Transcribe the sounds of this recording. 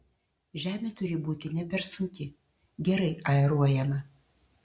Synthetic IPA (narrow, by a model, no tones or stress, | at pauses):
ʒʲæːmʲeːt̪ʊɾʲɪbuːt̪ʲɪnʲɛpʲɛɾsʊŋʲkʲɪ | ɡʲɛɾɐɪɐɛɾuɔjɛmɐ